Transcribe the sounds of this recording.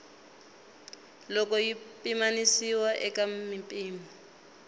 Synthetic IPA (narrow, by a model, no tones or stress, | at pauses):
lɔkɔjipʼimanisiwaʔɛkʼamɪpʼiːmɔ